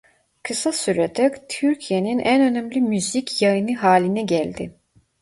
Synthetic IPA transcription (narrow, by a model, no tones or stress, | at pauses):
kʰɯsasyɾet̪ʰɛt̪ʰyɾcʰijeninʔænønæmlʲimyzicʰjajɯnɯɦaːlʲinɛɟælʲd̪ɪ